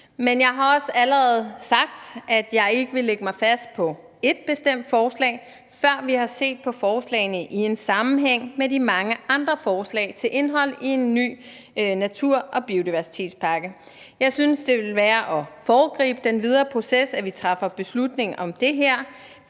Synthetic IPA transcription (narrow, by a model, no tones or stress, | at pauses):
menjɑ̈ɪɦɑ̈ɒ̽sæləʁɛð̞̩ˠsɑ̈ɡ̥̚d̥æd̥jɑ̈ɪe̝ɡ̥əʋe̝leɡ̥əmɑ̈ɪfæsd̥̚pʰɒ̽ | e̝d̥̚b̥e̝sd̥em̰d̥fɒːslɛ̰ɪ | fɶɐ̰ʋihɑ̈se̝̰ːd̥̚pʰɒ̽fɒːslɛ̰ɪnəʔie̝nsɑ̈mm̩ɦeŋ̰medimɑ̈ŋəʔɑ̈nd̥ʁɐfɒːslɛ̰ɪt͡sʰe̝lʔe̝nɦɒ̽l̰ie̝nːy̰ː | næt͡sʰuɐ̰ʔɒ̽b̥io̝d̥iʋæɐsi̥t͡sʰe̝̰ːd̥spʰɑ̈ɡ̥ə | jɑ̈ɪsynsd̥e̝ʋe̝lʋæːɐʔɒ̽fɒːɡ̥ʁḭːb̥əd̥enʋið̞ˠɐːpʰʁo̝sesæʋit͡sʰʁɑfɐb̥e̝slud̥ne̝ŋʔɒ̽md̥e̝ɦæɐ̰